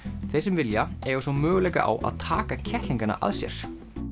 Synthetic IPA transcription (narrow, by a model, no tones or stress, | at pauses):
θejsɛmvɪljaɛɾɔsɔmœːɣʏlɛjkaʔa̰wa̰ðt̪ʰaːkacʰɛht̪liŋkana̰ʔa̰ðsjɛ̰ɾ̥